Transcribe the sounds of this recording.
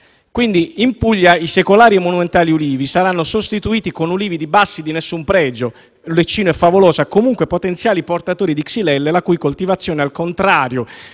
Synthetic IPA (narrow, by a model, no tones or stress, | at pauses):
kwind̪iimpuʎːaisekolaːɾiemːonument̪aːliuliːvisaɾanːosost̪it̪uiːt̪ikonuliːvid̪ibasːid̪inesːumpɾɛːd͡ʒo | let͡ʃːiːnoɛfːavolɔːzakomuŋkwepot̪ent̪sjaːliport̪at̪oːɾid̪iksilɛlːelakujkolt̪ivat̪sːjoːnealkont̪ɾaːɾjo